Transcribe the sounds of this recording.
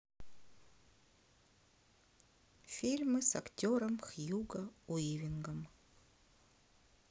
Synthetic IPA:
fʲilʲmɨsa̰ktʲoɾəmxjuɡəujivʲiŋɡəm

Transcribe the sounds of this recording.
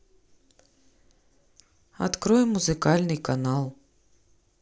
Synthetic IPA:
a̰t̪kɾɔjɛmːuzɨkalʲnɨjkanalˠ

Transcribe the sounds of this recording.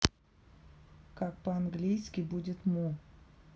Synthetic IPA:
kak̚pəanɡlʲijskʲɪbudʲɪt̪mu

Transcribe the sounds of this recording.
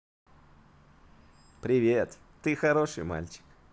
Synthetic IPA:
pɾʲɪvʲet̪ | t̪ɨxɐɾo̞ʂɨ̰jma̰lʲt͡ɕɪ̥k

